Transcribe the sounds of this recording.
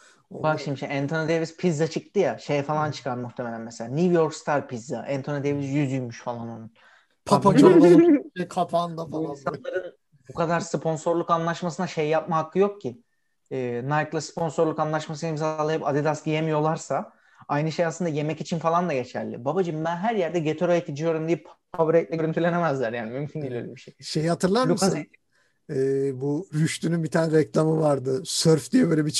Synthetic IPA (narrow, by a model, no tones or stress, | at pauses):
obakʃimiʃɛnt̪ʰonad̪evispʰizːat͡ʃʰɯk̚t̪ɯjaʃe̞jɛfalˠant͡ʃʰɯ̥kʰaɾmuxt̪ʰeme̞lʲænmɛselʲaːnivjo̞ɾkst̪ʰaɾpizːaʔænt̪ʰonad̪evizjyzyjmyʃfalˠanonun | pʰapaoikʰapʰand̪afaliansanlˠaɾɯn | bukʰad̪aɾspʰo̞nso̞ɾlˠukanlˠaʃmasɯnaʃe̞jjap̚maɦakʰːɯjo̞k̚cʰi | ɛːnajklˠaspʰo̞nso̞ɾlˠukanlˠaʃmas̬ɯnimzalˠajɯpad̪id̪asdijemijo̞lˠaɾsa | ajnɯʃe̞jasˠɯnd̪aje̞mɛcit͡ʃʰinfalˠand̪aɟe̞t͡ʃʰæ̰ɾlʲɪ̰babad͡ʒɯmbænɦæɾjæɾd̪ɛɟe̞t̪ʰyɾajet̪ʰid͡ʒijo̞ɾumd̪ijɛppʰabɾɛct̪lʲɛɡøɾynt̪ʰylʲe̞nemæzlʲæɾjaːnimymcʰind̪ʲilʲøːlʲɛbiʃejʃejihat̪ʰɯɾlˠanomk̪ | ɛːbuɾyʃt̪ynynbit̪ʰanɾɛclʲˠamɯvaɾd̪ɯsøɾfd̪ijɛbøjlʲɛbit͡ʃʰ